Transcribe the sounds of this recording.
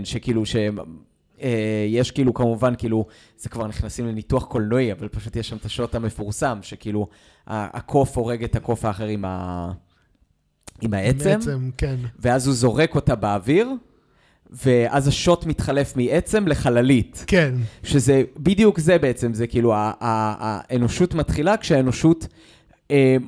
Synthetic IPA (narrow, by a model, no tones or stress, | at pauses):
nʃekiːluʃe̞ | ejeʃkiːlukamuvankiːlu | z̥ekvaʁniχnasimle̞nituaχko̞lno̞iavalpaʃut̪jeʃːamt̪aʃo̞tame̞fuʁsamʃe̞kiːlu | a̰a̰kʰo̞fo̞ʁe̞ɡe̞tako̞faːχe̞ʁima̰ | imaet͡sememkenveazhuzo̞ʁe̞ko̞tabeaviʁ | ve̞ʔazaʃo̞tmitχale̞fmiet͡se̞mle̞χalalitkenʃezebidijukzebe̞et͡se̞mzekiiːluaːeno̞ʃutmatχilakʃeaenoʃut | em